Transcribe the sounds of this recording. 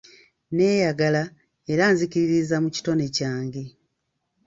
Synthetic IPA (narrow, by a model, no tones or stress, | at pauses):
ne̞ːjaɡala | e̞ɾanziciɾiɾizamuci̥to̞ne̞caːŋɡe̞